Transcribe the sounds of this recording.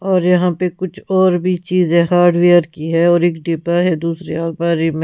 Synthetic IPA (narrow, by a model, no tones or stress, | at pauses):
ɔːɾjɐɦãpekʊt͡ʃʰɔːɾbʱit͡ʃiːzẽɦaːɾɖʋijəɾkiɦɛɔːɾɪːkɖiːpaɦɛd̪uːsɾeaːlbaːɾimẽ